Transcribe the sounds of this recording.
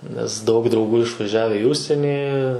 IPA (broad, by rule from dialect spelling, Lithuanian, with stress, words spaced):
nʲɛs dɐʊk drɐʊˈɡuː ɪʃʋɐˈʒʲæːʋʲɛ ɪ ˈʊʃʲsʲiɛnʲiː